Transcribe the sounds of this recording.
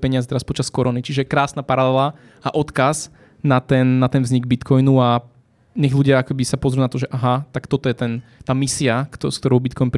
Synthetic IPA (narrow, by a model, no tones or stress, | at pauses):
pɛɲɪazɛt̪ɛɾaspɔt͡ʃaskɔɾʔɔːnit͡ʃiʒɛkɾaːsnaːpaɾalɛla | aʔɔt̪kaz | nat̪ɛnːat̪ɛnvzɲiɡbit̪kʰɔjnua | ɲɛɣluɟɪaakɛbisapɔzɾjunat̪ɔʒɛʔaɦat̪akt̪ɔt̪ɔjɛt̪ɛnt̪aːmisiaksk̚t̪ɔɾɔʊbit̪kɔjnp